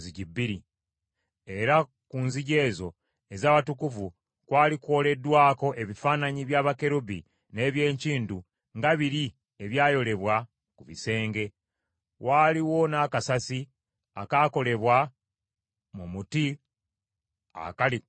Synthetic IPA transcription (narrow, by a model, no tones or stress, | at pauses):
ziɟibːiɾi | e̞ɾa | kunziɟe̞ːzo̞ | e̞zaːβatukuvu | kwaːlikwo̞ːle̞dːwaːko̞ʔe̞βifaːnaɲiβjaːβake̞ɾubi | ne̞ːβje̞ːɲciːndu | ŋɡaβiɾi | eβjaːjo̞le̞βwa | kuβḭse̞ːŋɡe̞ | waːliwo̞naːkasasi | a̰kaːko̞le̞βwa | mumuti | a̰kali